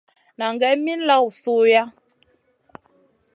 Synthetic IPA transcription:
na˨ŋ˨ɡɛ˨˦mi˦n̩˦la˦˨wu˨su˦ja˦

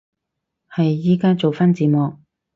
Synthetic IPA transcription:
hɐ˨jːiː˥kaː˥t͡so˨wfaː˥nt͡siː˨˧mɔː˨k̚

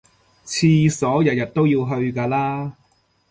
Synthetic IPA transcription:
t͡sʰiː˧sɔː˨˥jɐ˨t̚jɐ˨t̚t̪o˥wjiː˧wɦɵ˧ɥkaː˧laː˥

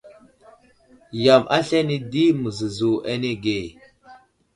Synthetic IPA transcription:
ja˨mʔa˦ɬa˦ni˦di˦mə˨zə˨zu˨ʔa˦ne˦ɡe˨

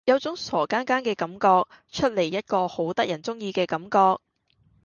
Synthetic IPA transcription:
jɐ˨˧wt͡sʊ˨˥ŋsɔː˨˩kaː˥nkaː˥nkɛː˧kɐ˨˥mkɔː˧k̚ | t͡ʃʰɵ˥t̚le˨˩jːɐ˥t̚kɔː˧ho˨˥wt̪ɐ˥k̚jɐ˨˩nt͡sʊ˥ŋjiː˧kɛː˧kɐ˨˥mkɔː˧k̚

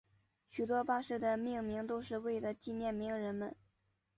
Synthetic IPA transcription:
ɕy˨˩t̪wɔ˥pa˥˧ʂɻ̩˥˩d̪ə˩mi˥˩ŋmi˧˥ŋt̪o˥ʊʂɻ̩˥˧we˥˩ɪlə˩t͡ɕi˥˧njɛ˥˩nmi˧˥ŋɻə˧˥nmə̰˧n

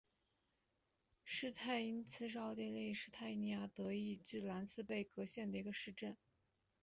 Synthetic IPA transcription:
ʂɻ̩˥˧t̪ʰa˥˩ɪi˥nt͡sʰɹ̩˥˧ʂ̬ɑ˥ʊt̪i˥˧le˥˧ɪʂɻ̩˥˧t̪ʰa˥˩ɪi˥ni˧˩ja˥t̪ɤ˧˥i˥˧ʈ͡ʂɻ̩˥˩la˧˥nt͡sʰɹ̩˥˧pe˥˩ɪkɤ˧˥ɕjɛ˥˩nd̪ə˩i˧˥ɡə˧ʂɻ̩˥˧ʈ͡ʂə˥˩n

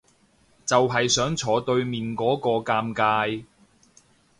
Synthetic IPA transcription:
t͡sɐ˨wɦɐ˨jsœː˨˥ŋt͡sʰɔː˨˧t̪ɵ˧ɥmiː˨nkɔː˨˥kɔː˧kaː˧mkaː˧j

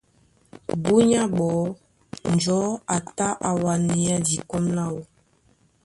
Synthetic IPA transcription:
bu˦ɲa˦ɓɔ˨˦ | n˨d͡ʒɔ˨˦a˨ta˦ʔa˨wa˨ni˨a˦di˨kɔ˦mla˦˨wɔ˦

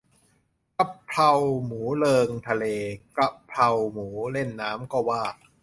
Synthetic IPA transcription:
ka˦˥pʰla˧wmuː˩˦lɤː˧ŋt̪ʰa˧leː˧kɾa˦˥pʰla˧wmuː˩˦le˥˩nːaː˦˥mkɔː˥˩waː˥˩k̚

